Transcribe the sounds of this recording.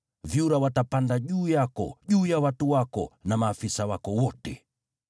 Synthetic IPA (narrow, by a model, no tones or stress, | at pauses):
vjuɾawatapandaʄuːjakɔ̰ʄuːjawatuwakɔ̰namaːfisawakɔwɔtɛ